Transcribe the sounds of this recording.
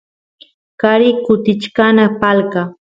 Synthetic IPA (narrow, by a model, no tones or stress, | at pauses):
kaɾɪkʊt̪ɪt͡ʃkanapalka